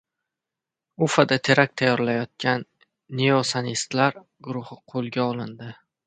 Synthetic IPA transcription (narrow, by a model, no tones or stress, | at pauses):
ufad̪at̪ʰe̞ɾak̚ʲt̪ʰajɒɾlajɒt̪̚kʲʰanː | eosanist̪laɾ | ɡʊɾʊhɪqʰolˠɡʲaɒlˠɪnd̪ɪ